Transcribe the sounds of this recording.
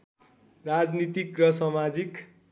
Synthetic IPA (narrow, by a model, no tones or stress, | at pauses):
rad͡znit̪ikrʌsʌmad͡zik